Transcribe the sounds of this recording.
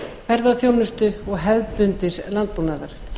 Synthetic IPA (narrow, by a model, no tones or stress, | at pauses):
vɛɾðawθjownʏst̪ʏɔɣɦɛvpʏnt̪ɪslant̪̚puwnaːðaɾ̥